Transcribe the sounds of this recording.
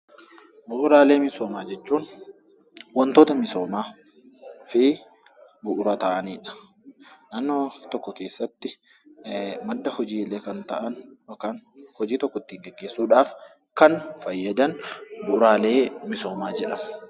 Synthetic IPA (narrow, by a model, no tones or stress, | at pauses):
bʊʔʊɾaːle̞ːmɪsoːmaːd͡ʒɛt͡ʃːuːn | wɔnt̪oːt̪ɐmɪso̞ːmaː | fɪ | bʊʔʊɾat̪ɐʔɐniːᶑɐ̥ | naːnːoːt̪ɔkːɔke̞ːsːɐt̪ːɪ | mɐd̪ːɐhɔd͡ʒiːleːkɐnt̪ɐʔɐnɔkaːnhɔd͡ʒiːt̪ɔkːɔt̪ːiːŋɡɛɡːe̞ːsːuːᶑaːf | kɐnfɐjːɐd̪ɐnbʊʔʊɾaːle̞ːmɪso̞ːmaːd͡ʒɛᶑɐm